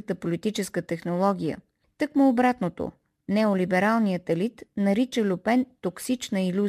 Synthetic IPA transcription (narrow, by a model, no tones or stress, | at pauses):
ət̪əpolit̪it͡ʃɛskət̪ɛxnolˠɔɡ̟ʲijə̰ | t̪əkmʊːbɾat̪not̪o̰ | nɛolibɛɾalˠnijət̪ɛlit̪nɐɾit͡ʃəlʲʊpɛnt̪oksit͡ʃnəilʲu